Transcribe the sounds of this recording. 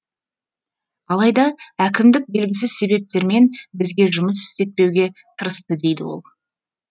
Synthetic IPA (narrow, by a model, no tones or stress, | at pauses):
ɑlˠɑjd̪ɑækʲɪmd̪ɪk̚be̞lɡʲɪsɪzse̞βe̞p̚t̪e̞ɾme̞nbɪzɡʲe̞ʒʊməsɪ̥st̪e̞t̪̚pe̞wɡʲe̞ | t̪ʰəɾəst̪əd̪e̞jd̪ɪ̰wo̞̰lˠ